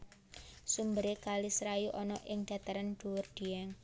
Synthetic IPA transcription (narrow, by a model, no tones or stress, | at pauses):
sumbəɾekalisɾajuʔɔnɔʔɪŋd̪̥ä̤t̪aɾand̪̥ṳwʊrd̪̥i̤ɛŋ